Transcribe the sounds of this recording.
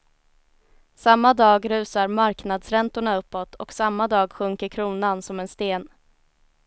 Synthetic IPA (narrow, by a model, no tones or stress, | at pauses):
samːad̪ɑːɡɾʉ̟ːsaɾmaɾknad̪sɾɛnt̪ʊɳaɵpːɔt̪ʰɔksamːad̪ɑːɡɧɵŋkəɾkʰɾuːnansɔmɛnst̪eːn